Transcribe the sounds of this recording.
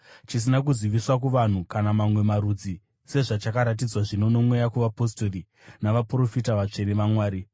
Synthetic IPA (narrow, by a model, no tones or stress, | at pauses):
t͡ʃis̬inakuzwiʋiswakuʋan̤ukanamamwe̞maɾud͡zi | se̞ʐat͡ʃakaɾat̬id͡zwaʐino̞no̞mwe̞jakuʋapo̞stori | naʋapro̞fitaʋat͡ʂe̞neʋamwaːɾi